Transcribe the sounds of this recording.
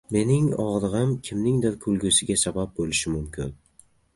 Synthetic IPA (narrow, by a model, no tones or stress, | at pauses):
me̞nɪŋɒʁd̪ɨʁɨmkʲʰɪmnɪŋd̪ɪɾkʰʊlˠɡʲʊsɪɡʲasabap̚bolɪʃɪmʊmkʲʰɪn